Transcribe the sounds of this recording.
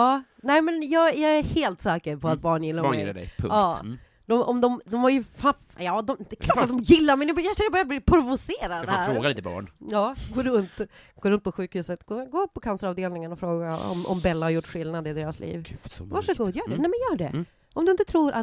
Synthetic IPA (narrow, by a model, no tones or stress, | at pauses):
ɑː | nɛɪmɛnjɑːjɑːæɾheːlt̪sɛːkəɾpʰɔat̪̚bɑːɳjɪlːaɪ̰lːa̰ɖɛ̰jpʰɵ̰ɑː | d̪ɔmʔɔ̰md̪ɔmd̪ɔmhaɾjəfafjɑːd̪ɔmd̪ɛkʰlɑːʈːat̪d̪ɔmjɪlːaɾmɛnɛbjɑɕɛnːəbœɾjad̪blɪpʰɾʊvʊseːɾad̪æɾfɾoːɡaliːt̪əbɑ̰ːɳjɑːɡoːɾɵnt̪ɡ̥oːɾɵnt̪̚pʰɔɧʉ̟ːkhʉːsət̪ɡoːɡoːpʰːɔkʰansəɾɑːvd̪eːlnɪŋənɔfɾoːɡaɔ̰mɔ̰mbɛlːahaɾjʊʈːɧɪlnad̪ɪd̪eːɾaslḭːv̥vaʂəɡuːd̪jœːnɛnɛmɛnjœːɖɛ̰ | ʔɔmd̪ɵɪnt̪ət̪ʰɾuːɾʔa̰t̪